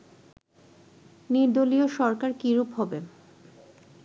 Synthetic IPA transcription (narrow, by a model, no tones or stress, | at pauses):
niɾd̪olioʃɔɾkaɾkiɾupɦɔbe